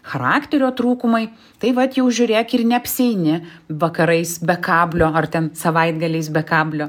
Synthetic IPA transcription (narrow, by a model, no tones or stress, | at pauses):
xɐɾɑːkt̪ʲɛɾʲoːt̪ɾuːkʊmɐɪ | t̪ɐɪʋɐt̪jɛʊʒʲʊɾʲeːkɪrnʲɛɐpʲsʲɛɪnʲɪʋɐkɐɾɐɪsbʲɛkɑːbʲlʲoːɐrt̪ʲɛnsɐʋɐɪd̪ɡɐlʲɛɪsbʲɛkɑːbʲlʲoː